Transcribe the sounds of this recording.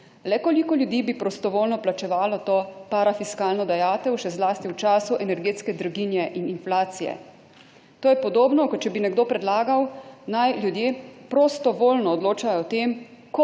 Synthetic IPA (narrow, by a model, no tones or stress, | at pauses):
lɛkolikɔljud̪iːbipɾɔst̪ɔʋoːlnɔplat͡ʃɛʋaːlɔt̪oːpaɾafiskaːlnɔd̪ajaːt̪ɛwʃɛzlaːst̪iwt͡ʃaːsuʔɛnɛɾɡeːt̪skɛd̪ɾuɡinjɛʔininflaːt̪sijɛ̰ | t̪oːjɛpɔd̪oːbnɔkɔt͡ʃɛbinɛɡd̪oːpɾɛd̪laːɡawnajljud̪jeːpɾost̪ɔʋoːlnɔːd̪loːt͡ʃajɔt̪emkɔ